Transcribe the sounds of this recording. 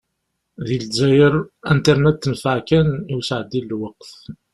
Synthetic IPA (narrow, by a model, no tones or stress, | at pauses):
ðilzæjəɾænt̪əɾnæt̪ːənfaʕkæniwsʕəd̪ːilːwəqθ